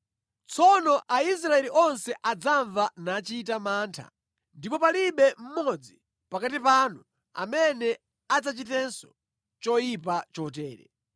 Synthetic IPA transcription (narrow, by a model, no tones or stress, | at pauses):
t͡sʰɔnɔʔais̬ɾaɛliʔɔnsɛʔad͡zaɱvanaːt͡ʃiːt̬amaːntʰa̰ | ndipɔpaliɓɛm̩mɔd͡zi | pakatipanu | a̰mɛnɛ | ad͡zat͡ʃitɛnsɔ̥ | t͡ʃɔjipat͡ʃɔt̬ɛːɾɛ̰